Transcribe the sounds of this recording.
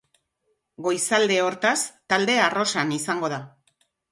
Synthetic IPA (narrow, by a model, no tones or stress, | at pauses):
ɡo̞jsald̪e̞o̞ɾt̪ast̪ald̪e̞aro̞sanisaŋɡo̞ða